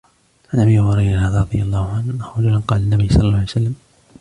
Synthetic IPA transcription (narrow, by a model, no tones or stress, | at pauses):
ʔanʔabijːhʊɾˤɑjnhaːðaɾˤɑd̪ˤɨjalˤːɑːhʊʕanaɾɑd͡ʒalanqɑːlanːabijːsˤɑlːlːajwsalːam